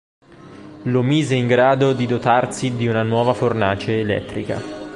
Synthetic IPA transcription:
lomiːzeiŋɡɾaːd̪od̪id̪ot̪arsid̪iunanwɔːvafornaːt͡ʃeːlɛ̰t̪ːɾika̰

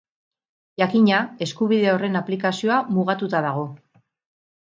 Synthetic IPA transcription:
ʝakiɲae̞skuβiðe̞o̞re̞naplikasio̞amuɣat̪ut̪aðaɣ̞o̞

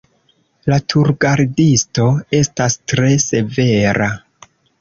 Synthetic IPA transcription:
latʰuɾɡaɾdisto̞e̞stastɾe̞se̞ve̞ɾa

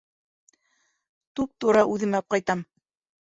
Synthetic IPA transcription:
t̪up̚t̪uɾɑʔʉðɘ̆mɑp̚qɑjt̪ɑm

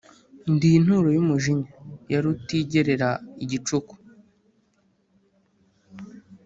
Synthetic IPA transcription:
ndin̥huɾojumuʒiɲajaɾutiɟeɾe̞ɾaiɟit͡ʃuku̥

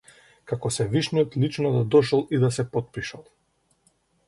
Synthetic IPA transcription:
kakɔsɛviʃnijɔt̪lit͡ʃnɔd̪ad̪ɔʃɔlˠid̪asɛpɔt̪̚piʃalˠ

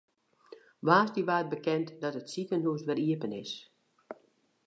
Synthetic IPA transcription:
ʋaːsdiʋaːt̚bəkɛntdɔtətsikənɦuəsʋɛriəpənɪs

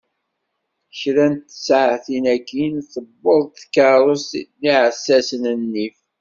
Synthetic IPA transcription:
çɾænt̪ːəsʕθinækːinθəbːəðˤt̪θkɑɾˤosniʕəsːæsənənːif

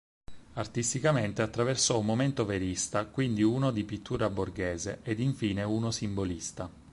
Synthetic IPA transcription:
art̪ist̪ikament̪eat̪ːɾaversɔumːoment̪oveɾist̪akwind̪iuːnod̪ipit̪ʰːuːɾaborɡeːzeʔed̪iɱfiːneuːnosimbolist̪a

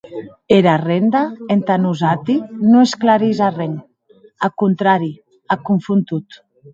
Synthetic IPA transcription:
eɾarend̪aent̪anuzat̪inoesklaɾizareŋ | akunt̪ɾaɾi | akuɱfunt̪ut̪

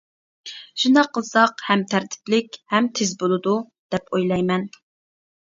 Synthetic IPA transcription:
ʃund̪ɑqʰːəlˠsɑqhɛmt̪ʰæɾt̪ʰɪ̥plɪkʲhɛmt̪ʰɪzbolˠɨd̪u | d̪̥ɛpʰojlˠɑjmɛn

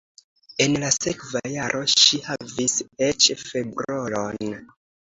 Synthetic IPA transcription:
e̞nlasekvajaɾʔo̞ʃihaviset͡ʃfe̞bɾolon

